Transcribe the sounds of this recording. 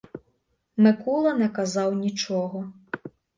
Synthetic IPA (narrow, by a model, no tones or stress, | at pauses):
mɪkulˠɐnɛkɐzɑwnʲit͡ʃɔɦɔ